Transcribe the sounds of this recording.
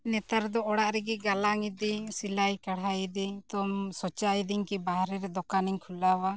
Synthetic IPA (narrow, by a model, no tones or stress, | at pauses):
nɛt̪aɾd̪ɔɔɽaʔɾɛɡɛɡalaŋid̪ɛsilajkaɽajd̪it̪ɔmsɔt͡ʃajd̪iŋkibaɦɾɛɾɛd̪ɔkaniɲkʰulawa